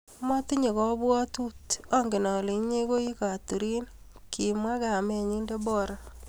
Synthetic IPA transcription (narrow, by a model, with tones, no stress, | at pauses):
mɔ˦tɪ˦ɲe˨kɔ˦bwɔ˦tu˦tɔ˦ŋɡɪ˨nɔ˨li˨ɲe˦ko˦i˦ka˨tu˨ɾi˦n | kʰi˨mwa˦ka˨me˨ɲi˦nde˦bɔ˦ɾɔ˦